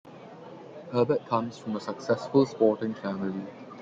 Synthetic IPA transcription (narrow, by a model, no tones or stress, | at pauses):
həːbət̚kʰãmsfɹɔ̃məsəksɛsfəlspɔtɪ̃ŋfæmɪli